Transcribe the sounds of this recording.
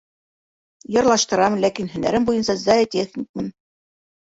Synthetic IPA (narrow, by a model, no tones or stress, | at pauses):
jɤ̆ɾlˠɑʃt̪ɤ̆ɾɑmlækinɦɵ̆næ̰ɾɘmbujɤnsɑzɑjtʲexnʲik̚mɘm